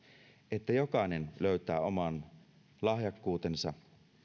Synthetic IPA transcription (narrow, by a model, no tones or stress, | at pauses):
et̪ːæjokɑˑenenløyt̪æːomɑn | lɑhjɑkːuːt̪ensɑ̰